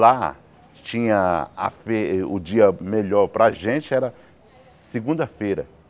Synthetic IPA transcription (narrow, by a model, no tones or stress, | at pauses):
la | t͡ʃĩɲɐɐ̰feʊ̰d͡ʒiɐmeʎɔɾpɾɐʒẽt͡ʃɪɛɾɐ | sɪɡũnd̪ɐfejɾɐ̰